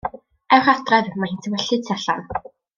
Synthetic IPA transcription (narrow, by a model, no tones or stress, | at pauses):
ɛwχatrɛðmahiːntʰəwɛɬɨ̥tʰiaɬan